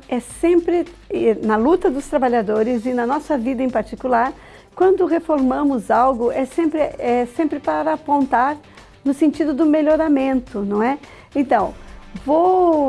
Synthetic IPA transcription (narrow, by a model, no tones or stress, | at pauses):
ɛsẽmpɾɪɪnɐlut̪ɐd̪ʊst̪ɾabaʎad̪oɾɪzɪnɐnɔsɐvid̪ɐẽj̃paɾt͡ʃikulaɾ | kwɐ̃nd̪ʊhefoɾmɐ̃mʊzawɡʊʔɛsẽmpɾɪɛsẽmpɾɪpaɾɐːpõnt̪aɾ | nʊsẽnt͡ʃid̪ʊd̪ʊmeʎoɾamẽnt̪ʊnɐ̃w̃ɛ | ẽnt̪ɐ̃w̃vo